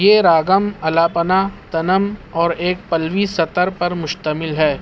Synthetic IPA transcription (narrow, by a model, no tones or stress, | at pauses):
jeɾaːɡəmɐlaːpənat̪ɐnəmɔːɾeːk̚pɐlʋisɐt̪əɾpɐɾmʊʃt̪əmɪlɦɛː